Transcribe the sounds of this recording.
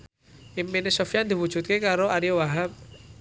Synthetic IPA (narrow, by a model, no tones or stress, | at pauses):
iminesofijand̪i̤wud̥ʒ̥ṳt̪̚kekaɾoaɾiowaɦap̚